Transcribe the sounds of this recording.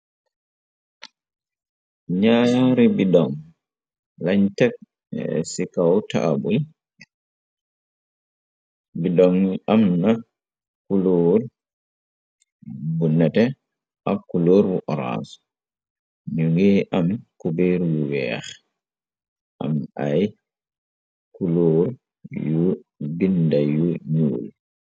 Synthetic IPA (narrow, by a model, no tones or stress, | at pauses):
ɲaːɾibidɔŋ | laɲtɛk̚ | sikawta̰ʔa̰bul | bidɔŋiʔamna | kuloːɾ | bunːatɛ | ʔakuloːɾwuʔɔɾa̰sɔ̥ | ɲuŋɡɛʔamkubeɾjuwɛ̰x | ʔa̰maj | kuloːɾ | jubindajuɲṵːl